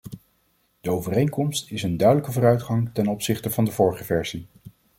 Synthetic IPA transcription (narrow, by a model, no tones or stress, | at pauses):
d̥əowvərejŋkɔmstɪsəndœɥdələkəvʊːrœɥtχɑŋtɛnɔpsɪχtəvɑndəvɔɹχəvɛɹzi